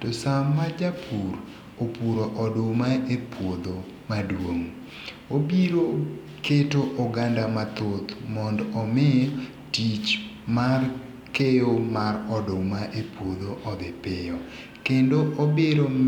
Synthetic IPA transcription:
tosamːad͡ʒapʰuɾ | opuɾoʔɔdʊmaepwod̪o | madwoŋ | obiɾo | ketoʔɔɡandamat̪ot̪mɔndɔːmɪj | tit͡ʃmar | kejomarɔdʊmaʔepwod̪oʔɔd̪ɪpɪjɔ | kendoʔobeɾo

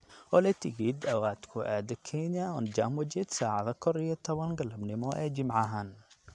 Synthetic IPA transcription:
ɔlɛt̪ʰɪɡiːd̪ɐwaːd̪kʰʊʔæːd̪ɐkʰɛnjɐɔnd͡ʒamwɐd͡ʒɛd̪saːʕɑðɐkʰɔɾijɔt̪ʰɔβɐnɡɐlɐbnɪmɔʔɛːd͡ʒɪmʕɑɦaːn

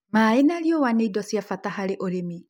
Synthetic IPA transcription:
maenaɾjowaneidɔsjafatahaɾeʔoɾemi

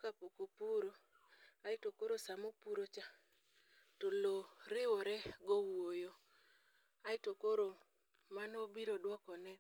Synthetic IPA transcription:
kapokopuɾo | aɪtokoɾosamopuɾot͡ʃa | toloɾɪwoɾɛɡɔwojo | aɪtokoɾo | manɔbiɾodwɔkɔnɛ

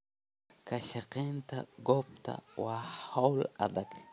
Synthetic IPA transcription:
kaʃaqent̪aɡop̚t̪a̰wahawla̰d̪ak

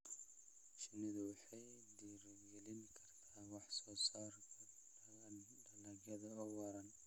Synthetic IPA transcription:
t͡ʃɪnɪðɐwɑħɑjd̪iːɾɡɛlɪŋkʰɐrt̪ʰaːwɑħsɔːsaːrt̪ʰɐ | ɖɐlɐɣɐðɐɔwɑɾɐn

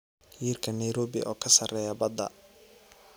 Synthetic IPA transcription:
jiːrkʰɐnɐjɾɔːbɪʔɔːkʰɐsɐrɛːjɐbɐd̪ɐ̰

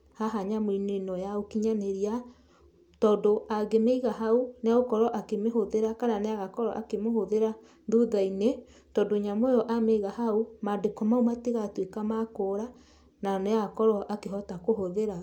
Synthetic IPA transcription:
haɦaɲamoinenɔjaokiɲaneɾia | tɔdoaɡemeiɣaɦauneaɣokɔɾɔʔakemeɦoðeɾakananeaɣakɔɾɔʔa̰kemoɦoðeɾa | ðuðaine | tɔndoɲamɔjɔʔameiɣaɦaumadekɔmaumateɣatwekamakoɾa | naneaɣakɔɾɔʔakeɦɔtakoɦoðeɾa

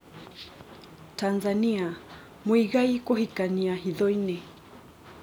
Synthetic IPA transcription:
tanzania | mwiɣaikɔhikaniaɦiðɔinɛ

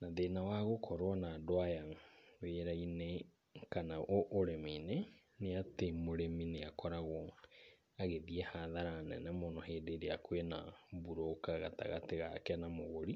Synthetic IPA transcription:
naðenawaɣokʰɔɾwanadoajaweɾaine | kanaʔoʔoɾemeine | neatemoɾemineakɔɾaɣɔ | aɣeðiɛhaðaɾanɛ̰nɛmonɔheːdeɾeakwenabuɾokaɣa̰ta̰ɣa̰teɣa̰kɛnamoɣoɾi

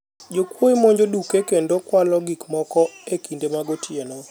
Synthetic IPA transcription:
d͡ʒokwoimoɲd͡ʒodukekendokwalɔɡikmɔkɔekindemaɡotʰjenɔ

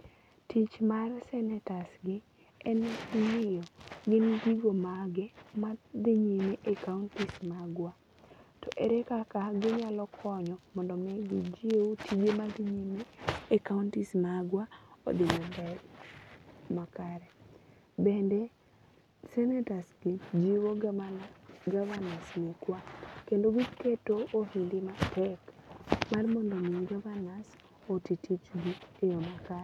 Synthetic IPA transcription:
tit͡ʃmarsɛnɛtasɡɪ | ɛnɛkmɪjɔɡɪnɡiɡomaɡemad̪ɪɲimeʔekauntismaɡwa | tɔʔɛɾɛkakaɡɪɲalɔkʰɔɲɔmɔndɔmɛɡɪd͡ʒietʰid͡ʒemad̪ɪɲimekauntismaɡwao̰dɪmambɛl | makaɾɛ | bɛndɛ | sɛnɛtasɡid͡ʒiwo | ɡavanasnikwakendoɡiketoohindɪmatʰɛkmarmɔndɔmiɡavanas | otitʰit͡ʃɡiejomakaɾ

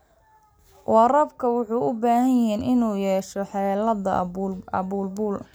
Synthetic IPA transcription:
wɑrɐbkʰɐwʊħuːʊbaːhɐnjɦɛːnɪnuːjɛːʃɔħɑlɐðɐ̰ɐ̰buːlbuːl

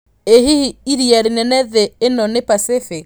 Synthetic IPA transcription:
ehihiiɾiaɾinɛnɛðɛenɔnepasefe

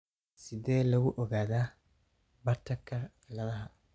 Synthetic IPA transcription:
sɪðɛːlɐɣʊʔɔɣaːðaː | bɐrt̪ʰɐkʰɐ | lɐðɐɦɐ

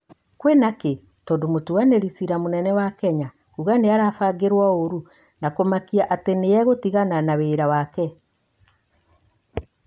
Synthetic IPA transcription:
kwɛnake | tɔdomotuaneɾisiɾamonɛnɛwakɛɲa | kuɣaneaɾafaɡeɾwaoɾu | nakomakiaʔatenejɛɣotiɣananaweːɾawakɛ

